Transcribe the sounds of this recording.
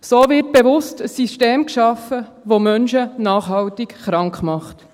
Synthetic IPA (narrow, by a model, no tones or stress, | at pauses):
soːvɪt̚b̥eʋʊstəsisteːmkʃɑfə | ʋomœnʃənɑːχɦɑwtɪkχɾɑŋkχmɑχt